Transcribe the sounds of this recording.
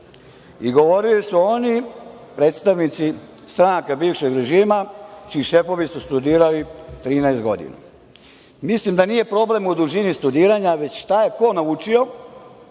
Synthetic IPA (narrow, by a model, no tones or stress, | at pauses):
iɡo̞ʋo̞ɾilisuo̞ni | pɾe̞ːt̪st̪aʋnit̪si | st̪ɾaŋkabiːʋʃeɡɾe̞ʒiːmat͡ʃiːʃe̞fo̞ʋisust̪ud̪iːɾalit̪ɾiːnɛest̪̚ɡo̞̰d̪ḭna̰ | mislimd̪anije̞pɾo̞ble̞mud̪uʒinist̪ud̪iːɾaɲaʋe̞t͡ɕʃt̪ajeko̞naut͡ʃio̞